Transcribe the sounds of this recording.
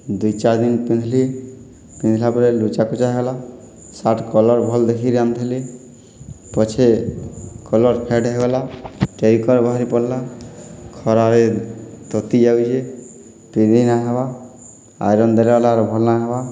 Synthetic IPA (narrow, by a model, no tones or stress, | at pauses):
d̪ujt͡ʃaɾd̪inpĩnd̪ʱli | pĩnd̪ʱilapɔɾelut͡ʃakɔt͡ʃaɦeɡla | saʈʰkɔlɔɾbʱɔld̪ekʰiɾamt̪ʰeli | pɔt͡ʃʰe | kɔlɔɾpʰeɖɦeɡɔlaʈeɾikɔɾbaɦaɾipɔɽla | kʰɔɾaɾet̪ɔt̪id͡ʒawd͡ʒe | pid̪ʱinaɦeba | a̰jɾɔnd̪elalaɾbʱɔlnaɦeba